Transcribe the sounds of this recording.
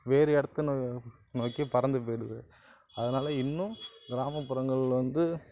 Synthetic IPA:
ʋeːɾɯɛɽɐt̪ːɯnː | noːkːipɐɾɐnd̪ɯp̬oːjɽɯðɯ̰ | ɐðɐnaːlɐɪnːʊ̃ɡɪɾaːmɐpːɯɾɐŋɡɐɭɪlʋɐnd̪ɯ

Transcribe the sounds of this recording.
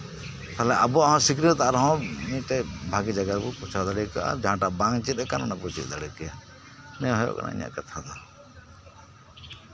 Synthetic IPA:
t̪alɛʔabuaɦɔ̃sikɾit̪aɾɦɔ̃mĩʈɛbʱaɡid͡ʒaɡaɾbuput͡ʃʰaɾd̪aɽɛkaʔd͡ʒãʈabãŋt͡ʃit̪̚ɛkananaput͡ʃḭʔd̪aɽɛkɛja | nɛɦɔjɔ̰ʔka̰na̰ḭɲa̰ʔkat̪ʰad̪a

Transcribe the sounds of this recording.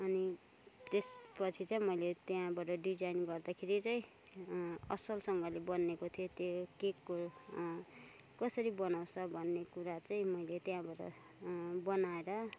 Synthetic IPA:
ʌni | t̪espʌt͡sʰit͡sʌĩmʌjlet̪jãbaʈʌɖid͡zainɡʌrd̪akʰeɾit͡sʌĩ | ʌsʌlsʌŋɡʌlebʌnːekot̪ʰijot̪jokekːo | kʌsʌɾibʌnaw̃sʰʌbʱʌnːekuɾat͡saĩmʌjlet̪jãbaʈʌ̰ | bʌnaeɾʌ

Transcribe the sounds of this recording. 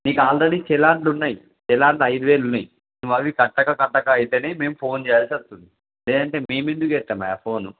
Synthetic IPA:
niːkuaːlɾeɽit͡ʃɛlaːɳɖunːaji | t͡ʃɛlaːɳɖɐjd̪uʋeːlunːɐji | nuʋɐʋikɐʈːɐkɐkɐʈːɐkaɐjit̪eːneːme̞ːmupʰo̞ːnt͡ʃeːjaːlsiɐst̪und̪i | leːd̪ɐɳʈe̞ːme̞ːmend̪ukɛt̪ːaːmɐjapʰo̞ːnu

